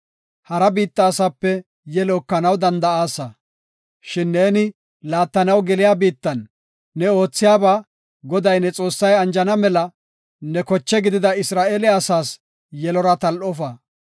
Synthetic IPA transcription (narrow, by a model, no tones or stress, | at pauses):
hɐɾɐbiːt̪ːɐːsaːpːɛ | jɛlɔkːɐnɐwd̪ɐnd̪ɐaːsɐ | ʃɪnːeːnɪ | laːt̪ːɐnɐwɡɛlɪjaːbiːt̪ːɐnː | ɛo̞ːt͡sːɪjaːbaː | ɡɔd̪ɐjnɛt͡sʼo̞ːsːɐjɐnd͡ʒɐnɐmɛlɐ | nɛkɔt͡ʃːɛɡɪd̪ɪd̪ɐɪsɾaːʔeːlɛɐsaːs | jɛlɔɾɐt̪ɐlʔɔfɐ